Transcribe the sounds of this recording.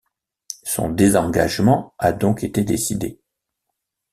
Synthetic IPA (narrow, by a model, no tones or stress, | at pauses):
sɔ̰̃d̪ezɑ̃ɡa̰ʒmɑ̃ad̪ɔ̃ket̪ed̪esid̪ḛ